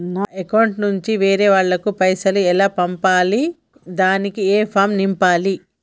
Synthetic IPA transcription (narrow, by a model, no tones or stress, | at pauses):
naːekɐwɳʈnuɲt͡ʃiʋeːɾeːʋaːɭːɐkupɐjsɐluɛlaːpɐmpaːli | d̪aːnikieːpʰaːmnimpaːli